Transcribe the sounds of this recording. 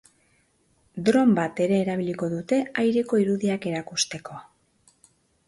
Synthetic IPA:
d̪ɾo̞mbat̪e̞ɾe̞ːɾaβ̞iliko̞ðut̪e̞ajɾe̞ko̞iɾuðiake̞ɾakust̪e̞ko̞

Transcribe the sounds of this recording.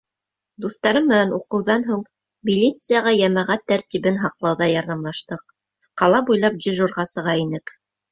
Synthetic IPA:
d̪uθt̪ɑɾɤmːɘ̆nænuqɤ̆wðɑnɦuɴ | mʲilʲit̪sɨjaʁɑjæmæʁæt̪ːæɾt̪iβɘnɦɑqlˠɑwðɑjɑɾðɑmlˠɑʃt̪ɤq̚ | qɑlˠɑbujlˠɑp̚d̪ʲɪʒurʁɑsɤ̆ʁɑinɘk

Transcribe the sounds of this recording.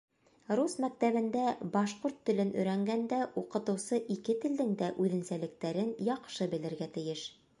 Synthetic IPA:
ɾusmæk̚t̪æβɘ̆nd̪æbɑʃquɾt̪ːɘ̆lɘnɵ̆jɾæŋɡænd̪æʔuqɤ̆t̪ɤ̆wsɤʔikɘt̪ɘ̆ld̪ɘŋd̪æʔʉðɘ̆nsælɘ̆k̚t̪æɾɘnjɑqʃɤbɘ̆lɘ̆ɾɡæt̪ɘ̆jɘʃ

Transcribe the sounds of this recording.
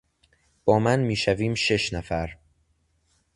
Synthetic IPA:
b̥ɒːmænmiːʃæviːmʃe̞ʃnæfæɾ

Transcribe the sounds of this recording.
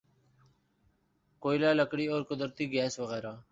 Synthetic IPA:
koːjlaːləkɽiːoːɾkʊd̪əɾt̪iːɡɛːsʋəɣeːɾaː

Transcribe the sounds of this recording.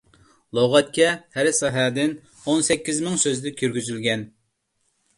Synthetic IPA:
lˠoʁɛt̪̚kʲʰɛhæɾsɑɦæd̪ɪn | onsɛkʲːizmɪŋsøzd̪ɛkʲʰyɾɡʲyzylɡʲɛn

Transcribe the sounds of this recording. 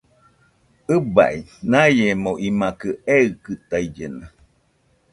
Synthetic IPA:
ɨba̰ʔinajemoʔimakɨeɯkɨt̪aid͡ʒena

